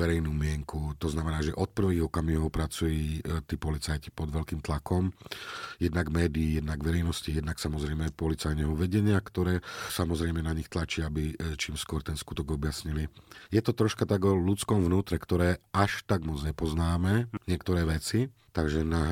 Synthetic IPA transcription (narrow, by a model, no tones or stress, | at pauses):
ʋɛɾɛjnuːmɪɛŋkut̪ɔznamɛnaːʒɛʔɔt̪̚pr̩ʋiːɣɔkamiɦɔpɾat͡sujiːt̪iːpɔlit͡sajci̥pɔd̪ʋɛlkiːmt̪lakɔm | jɛd̪naɡmɛːd̪iːjɛd̪naɡʋɛɾɛjnɔscijɛd̪naksamɔzɾɛjmɛpɔlit͡sajnɛɦɔʋɛɟɛɲɪakt̪ɔɾɛːsamɔzɾɛjmɛnaɲixt̪lat͡ʃiabit͡ʃiːmskʊɔɾt̪ɛnskut̪ɔɡɔbjasɲilijɛt̪ɔt̪ɾɔʃkat̪aɡɔlut͡skɔmvnuːt̪ɾɛkt̪ɔɾɛːʔaʃt̪aɡmɔd͡zɲɛpɔznaːmɛɲɪɛkt̪ɔɾɛːʋɛt͡sit̪aɡʒɛnaɦ